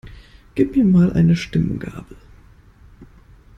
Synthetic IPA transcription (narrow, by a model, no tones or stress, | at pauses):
ɡ̥iːp̚miːɐmaːlʔa̰ɪnəʃtɪmənɡa̰ːb̥lə